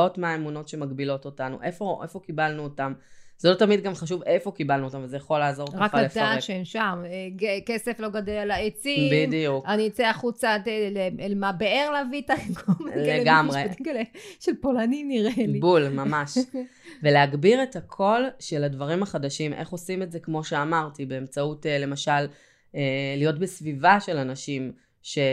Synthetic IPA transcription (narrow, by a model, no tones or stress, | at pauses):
otmaːemuno̞tʃe̞maɡbilo̞to̞tanṵʔefo̞ʔefo̞kibalnuotamzelo̞tamid̚ɡamχaʃ̬uvefo̞kibalnuotamvezejaχo̞laːzo̞kaʁakaalefaʃeemʃameɡekeseflo̞ɡadelalaet͡sibidijukaniot͡seaχut͡sateleelmabeeʁleavitaemkʰomeleɡamʁet̪ikleʃelpolaniniʁelibulmamaʃ | ve̞leaɡbiʁe̞takʰo̞lʃeladvaʁimaχadaʃimʔḛχo̞simetzekmo̞ʃe̞amaʁtibe̞emt͡sautele̞maʃal | eːijo̞tbesvivaʃe̞lanaʃim | ʃe̞